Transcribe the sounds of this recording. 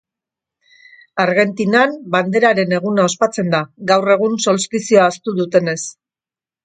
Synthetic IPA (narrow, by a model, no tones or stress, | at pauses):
aɾɣe̞nt̪inamband̪e̞ɾaɾe̞ne̞ɣ̞unao̞spat͡se̞nd̪aɡawre̞ɣ̞unso̞lst̪isioaːst̪uðut̪e̞ne̞s